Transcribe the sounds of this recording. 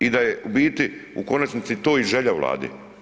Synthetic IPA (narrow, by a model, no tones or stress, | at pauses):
id̪ajeʔubiːt̪iṵko̞nat͡ʃnit̪sit̪o̞ːiʒe̞ʎaʋlˠa̰ːd̪ḭ